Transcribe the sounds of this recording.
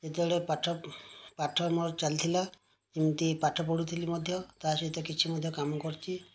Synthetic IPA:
d͡ʒet̪ɔɽepaʈʰɔpaʈʰɔmɔɾt͡ʃalit̪ʰila | kimt̪ipaʈʰɔpɔɽut̪ʰilimɔd̪ʱjɔt̪asɔt̪ɔkit͡ʃʰimɔd̪ʱjɔkamɔkɔɾt͡ʃʰi

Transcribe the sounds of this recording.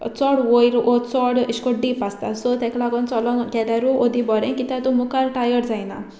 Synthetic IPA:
t͡sɔɽʋojɾot͡sɔɽiʃkɔɖipast̪asɔt̪ɛklaɡɔnt͡sɔlɔkɛd̪aɾuod̪ʱibɔɾɛ̃kit̪at̪umukaɾʈajəɾd͡zajna

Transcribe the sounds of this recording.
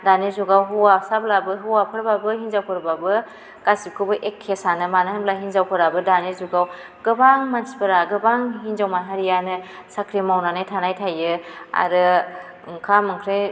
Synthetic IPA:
danizuɡawɦuwasablabɯɦuwapʰɯɾbabɯɦinzawkʰɯɾbabɯ | ɡ̥asikʰɯbɯʔekʰːesanɯmanɯhablaɦinzawkʰɯɾabɯdanizuɡaw | ɡ̥ɯbaŋmansi̥pɯɾaɡɯbaŋɦinzawmanɦaɾijanɯ | sakʰɾimawnanajtʰanajtʰajɯa̰ɾɯ | ŋkʰamɯŋkʰɾej

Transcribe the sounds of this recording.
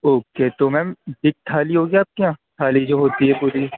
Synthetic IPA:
oːket̪omɛ̃ːmɖɪk̚ʈ̪ʰaːliɦoːɡjaːp̚kiãːʈ̪ʰaːlid͡ʒoːɦoːt̪iɦɛpuːɾi

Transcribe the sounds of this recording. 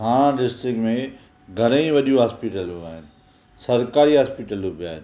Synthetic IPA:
ɦãːɖɪsʈɾɪkʈmẽ | ɡʱɐɾĩʋɐɗijũɦaːspiʈəlɦuaːɦɪnɪ̆ | sɐɾkaːɾiɦaːspiʈəlubiaːɦɪnɪ̆

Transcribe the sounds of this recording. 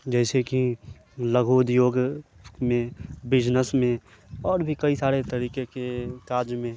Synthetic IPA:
d͡ʒɛːseki | ləɡʱoːd̪joːɡmẽbɪd͡ʒnəsmẽ | ɔːɾbʱikɐisaːɾet̪ɐɾiːkekekaːɾd͡ʒmẽ

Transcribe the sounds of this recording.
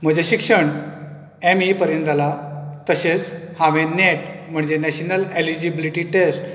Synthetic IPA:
m̤əd͡ʑeɕikʂəɳ | emipəɾjənt̪d͡zʱalat̪əɕet͡shãʋẽneʈm̤əɳd͡zenɛɕnəlelid͡ʑibiliʈiʈesʈ

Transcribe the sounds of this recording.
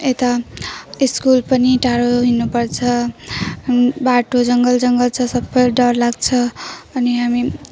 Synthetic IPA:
et̪aiskulpʌniʈʰaɾoɦinupʌɾt͡sʰʌ | baʈod͡zʌŋɡʌld͡zʌŋɡʌlt͡sʰʌsʌbːʌjɖʌɾlaɡt͡sʰʌʌniɦami

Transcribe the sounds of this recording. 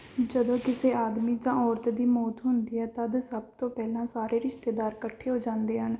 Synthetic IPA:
d͡ʒəd̪õːkɪseːʔaːd̪miːd͡ʒãːɔːɾt̪d̪iːmoːt̪ɦʊnd̪iːɦɛːt̪əd̪səb̚t̪õːpɛːlãːsaːɾeːɾɪʃt̪eːd̪aːɾkəʈʰːeːɦoːd͡ʒãːnd̪eːɦən

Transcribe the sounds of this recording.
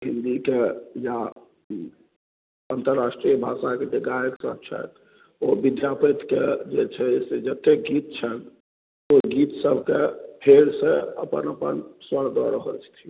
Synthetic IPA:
ɦind̪ikeja | ənt̪əɾːasʈɾijəbʱasaked͡ʒeɡajəksə̰b̚t͡ʃʰɛ̰t̪ | obid̪japit̪ked͡ʒet͡ʃʰɛsed͡ʒət̪ːekɡit̪̚t͡ʃʰən | oɡit̪səbʱkepʰeɾseəpə̰nəpə̰nswəɽd̪ɔ̰ɾəɦə̰lt͡ʃʰt̪ʰiu

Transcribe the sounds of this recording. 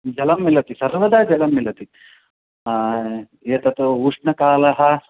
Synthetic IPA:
d͡ʒɐlɐmːilɐt̪isɐɾʋɐd̪aːd͡ʒɐlɐmːilɐt̪i | eːt̪ɐt̪uuʂɳɐkaːlɐɦɐ

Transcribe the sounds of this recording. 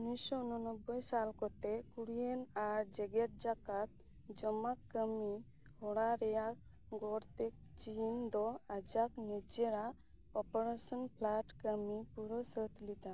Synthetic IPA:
nisɔunɔnɔbːɔjsalkɔt̪ekuɽienaɾd͡ʒɛɡeɾ̚d͡ʒakat̪̚ | d͡ʒɔmakːəmi | hɔɽaɾɛjak̚ | ɡɔɾt̪ek̚t͡ʃind̪ɔad͡ʒaknid͡ʒeɾa | ɔpɔɾasɔnpʰlaʈkəmipuɾɔsət̪lit̪a

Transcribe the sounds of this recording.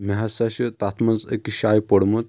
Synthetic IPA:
mɐɦasaɕət̪at̪ʰmɐt͡sə̰kiɕajpəɽmut̪

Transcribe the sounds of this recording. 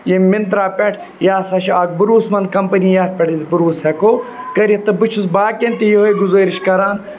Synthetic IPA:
jemint̪ɾaːpʲɛʈʰ | jaːsɐʃaːk̚bɨɾuːsmɐnkɐmpɐnijaːɾ̚pʲɐʈizbɨɾuːshekoː | kɐɾit̪ɨbɨt͡ʃʰusbaːkent̪ijiɦojɡuzoːɾiʃkɐɾaːn

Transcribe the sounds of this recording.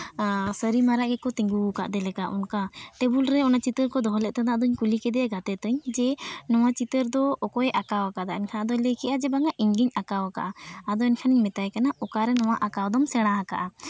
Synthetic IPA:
səɾimaɾaʔɡɛkɔt̪iŋɡuka̰ʔd̪ɛlɛkaʔunkat̪ɛbulɾɛɔnat͡ʃit̪əɾkɔd̪ɔɦɔlɛʔt̪ad̪aʔd̪ɔɲkulikɛd̪ɛaɡat̪ɛt̪ɔɲd͡ʒɛnɔwat͡ʃit̪əɾd̪ɔːkɔɛʔakawakad̪aʔɛnkʰanad̪ɔlɛkɛʔad͡ʒɛbaŋaʔiɲɡiɲakawaka̰ʔaːd̪ɔɛɲkʰaniɲmɛt̪ajkanaɔkaɾɛnɔwaʔakawd̪ɔmsɛɽ̃aaka̰ʔa

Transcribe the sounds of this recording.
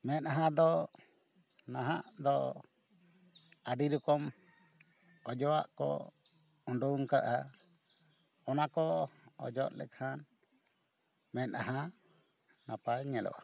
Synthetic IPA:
mɛt̪̚ɦãd̪ɔ | naɦaʔd̪ɔ | aɖiɾukɔm | ɔd͡ʒɔwa̰ʔkɔ̰ | ɔɳɖɔuŋka̰ʔa | ɔnakɔɔd͡ʒɔʔ̪lɛ̰kʰan | mɛt̪̚aɦã | napaɽɲɛlɔ̰ʔa

